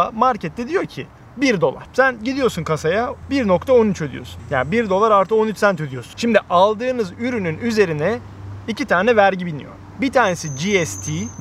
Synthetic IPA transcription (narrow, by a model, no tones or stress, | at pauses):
amaɾcʰɛt̪ːɛd̪ijo̞ɾcʰḭ | biɾd̪o̞lˠa̰ɾ̥sænɟid̪ijosunkʰasajabiɾno̞kt̪ʰao̞nyt͡ʃød̪ḭjo̞̰sunja̰ːbiɾd̪o̞lˠaɾaɾt̪ʰɯko̞nyt͡ʃsænt̪ʰød̪ijo̞sunʃimd̪iʔalˠd̪ɯːnɯzyɾynynyze̞ɾinɛ | icit̪ʰaːnɛvæɾɟibilʲmḭjo̰ɾ | bit̪ʰaːnesid͡ʒiɛst̪ʰi